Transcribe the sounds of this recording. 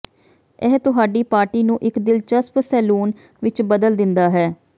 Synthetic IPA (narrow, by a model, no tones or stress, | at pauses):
ɛɦt̪ʊɦaːɖiːpaːɾʈiːnũːʔɪkd̪ɪlt͡ʃəspsɛːluːn | ʋɪt͡ʃbəd̪əld̪ɪnd̪aːɦɛː